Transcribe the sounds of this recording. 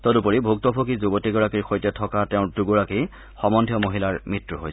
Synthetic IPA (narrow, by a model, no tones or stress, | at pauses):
tɔdupoɹibʱuk̚tɔpʰokizubɔtiɡɔɹakiɹxojtɛtʰɔkatɛʊ̃tuɡɔɹaki | xɔmɔndʱijɔmoɦilaɹmitɹuɦoj